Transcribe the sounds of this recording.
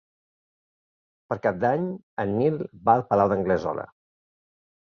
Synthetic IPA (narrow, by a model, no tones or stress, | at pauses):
pəɾkap̚d̪aɲ | ənːilˠbaəlˠpəlawðəŋɡləzɔ̰lə̰